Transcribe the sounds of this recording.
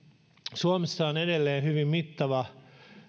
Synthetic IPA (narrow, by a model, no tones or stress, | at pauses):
suomesːɑonedelːeːhyʋimmit̪ːɑʋɑ